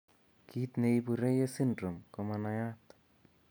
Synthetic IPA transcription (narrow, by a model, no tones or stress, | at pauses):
kit̪neipuɾejesindɾumkɔmanajat̪